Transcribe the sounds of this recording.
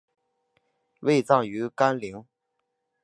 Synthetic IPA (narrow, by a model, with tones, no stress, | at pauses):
we˥˧ɪt͡sɑ˥˩ŋy˧˥ka˥nli˧˥ŋ